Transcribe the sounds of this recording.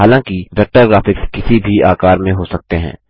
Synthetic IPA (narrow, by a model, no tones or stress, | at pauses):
aːlãːkiʋɛk̚ʈəɾɡɾaːfɪkskɪsibʱiaːkaːɾmẽɦosɐk̚t̪eɦɛ̰̃ː